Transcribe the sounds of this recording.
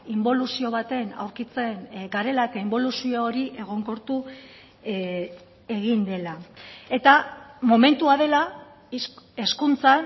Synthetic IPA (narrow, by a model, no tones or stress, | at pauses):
imbo̞lusio̞β̞at̪e̞na̰wɾkit͡se̞ŋɡaɾe̞laet̪aimbo̞lusioːɾiʔe̞ɣ̞o̞ŋko̞ɾt̪u | e̞ɣind̪e̞lae̞t̪amo̞me̞nt̪uaðe̞la | eskunt͡sa